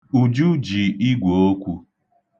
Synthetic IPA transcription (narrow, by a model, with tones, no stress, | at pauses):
u˨d͡ʒu˦d͡ʒi˨i˦ɡʷo˨o˦kʷu˦